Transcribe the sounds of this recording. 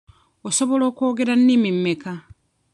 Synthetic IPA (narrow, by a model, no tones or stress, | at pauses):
oso̞βo̞lo̞ːko̞ːɡe̞ɾanːimim̩ːeka